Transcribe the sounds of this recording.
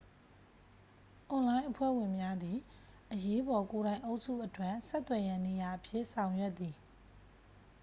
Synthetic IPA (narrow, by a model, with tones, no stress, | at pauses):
ʔɔ̃˨lã˦ɪ̃ʔəpʰwɛ̰˦˨wɪ̃˨mja˦d̪i˨ | ʔəje˦bɔ˨ko˨ɾã˨ɪ̃ʔo˦ʔsṵ˦˨ʔətwɛ˦˨sɛ˦ʔt̪ːwɛ˨jã˨ne˨ja˨ʔəpʰjɪ˦ʔsʰã˨ʊ̃jwɛ˦ʔt̪ːi˨